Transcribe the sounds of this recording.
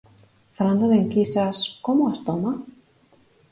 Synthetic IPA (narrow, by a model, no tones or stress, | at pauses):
faɾand̪oðeŋkisaskomoast̪oma